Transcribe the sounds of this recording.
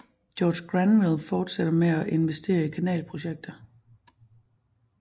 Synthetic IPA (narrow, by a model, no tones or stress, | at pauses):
d̥jɒːd̥ɡ̥ʁænʋilˠfɒːd̥seɾ̥ɐmeæʔe̝nʋesd̥e̝̰ːɐikʰænɛ̰ːlpʰʁo̝ɕeɡ̥̚d̥ɐ